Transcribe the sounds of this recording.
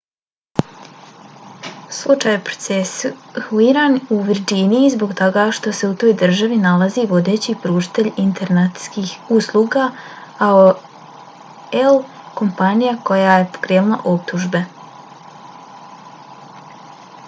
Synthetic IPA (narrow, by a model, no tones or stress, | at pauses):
slˠut͡ʃaːjepɾo̥t̪sesuuiɾaːnuʋiɾd͡ʑinijizbo̞ɡt̪oɡaʃt̪o̞se̞ut̪o̞ːjd̪r̩ʒaʋinalaziʋo̞d̪e̞ːt͡ɕipɾuːʒi̥t̪e̞ʎint̪eɾnat̪skiːxuslˠuːɡa | ao | el | ko̞mpanijako̞jaːje̞po̥kɾeːlna̰ʔo̞p̚t̪uʒbe̞